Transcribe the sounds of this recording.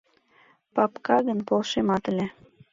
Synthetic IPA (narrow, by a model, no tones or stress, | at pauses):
pɑpkɑɣənpolʃemɑt̪əlʲe